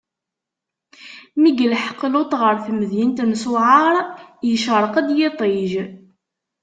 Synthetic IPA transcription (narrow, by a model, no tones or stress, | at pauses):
miɡəlħə̥qːlot̪ˤʁəɾˤθməðjint̪mswʕaɾˤjəʃəɾˤəqæd̪jet̪ˤeʒ